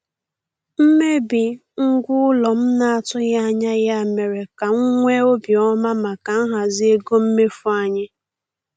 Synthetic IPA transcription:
m̩˦me˦bi˨ | ŋ̩˦ɡʷʊ˦ʊ˦lɔ˨m̩˦na˨a˨tʊ˦ɣa˦a˦˨ɲa˦ja˦˨me˨ɾe˨ka˨ŋ̩˦ŋʷe˦o˦bjɔ˦ma˦ma˨ka˨m̩˦ɦa˨zi˦e˦ɡo˦m̩˦me˦fu˦a˨ɲɪ˦

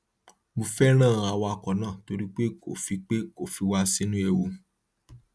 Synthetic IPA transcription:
mũ˨fɛ˦ɾ̃ãː˦˨˧a˧wa˧kɔ˨nãː˦˨to˧ɾi˦k͡pe˦ko̰˨fi˧˦k͡pe˦ko˦˨fi˨˧wa˧si˦nũ˦e˧˨wo˧

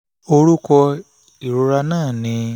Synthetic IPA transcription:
o˦ɾu˦kɔ˦ | i˨ɾu˦ɾa˦naː˦˨ni˨˦

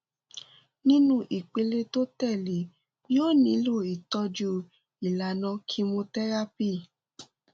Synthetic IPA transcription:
nĩ˦nũ˦ʔi˨k͡pe˧le˧to˦tɛ˦˨li˨˦ | oː˦˨nĩ˨˦lo˦˨i˨tɔ˧d͡ʒu˧ | i˨la˨nã˧˦kʰi˦mõ˧tɛ˦ɾa˦pi˦˨

